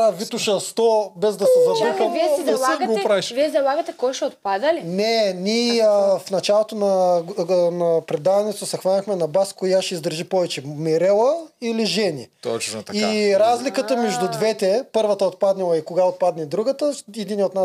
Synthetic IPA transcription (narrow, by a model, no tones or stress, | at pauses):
avit̪ʊʃəst̪ɔbɛzd̪ɐsɛzɐakvɛlˠaɡopɾaiʃviɛzɐlˠaɡɐt̪ɛkɔjʃɛot̪̚pad̪ɐlinɛnʲiəfnɐt͡ʃalˠot̪onɐ | nɐpɾɛd̪avɐnɛt̪osɛxvanʲɐxmɛnɐbaskojaʃɛizd̪əɾʒipɔvɛt͡ʃɛmɛɾɛlˠəiliʒɛnʲḭt̪ɔ̰t͡ʃnot̪ɐiɾazlikət̪əmɛʒd̪ʊd̪vɛt̪ɛpɤɾvət̪əot̪̚pad̪nɛlˠɐikoɡaot̪̚pad̪nɛd̪ɾuɡət̪əɛd̪iniot̪na